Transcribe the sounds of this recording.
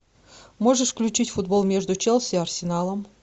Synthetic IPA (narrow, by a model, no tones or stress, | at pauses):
moʐɨʂfklʲʉt͡ɕitʲfʊd̪̚bolˠmʲeʐd̪ʊt͡ɕelˠsʲɪɐrsʲɪnalˠəm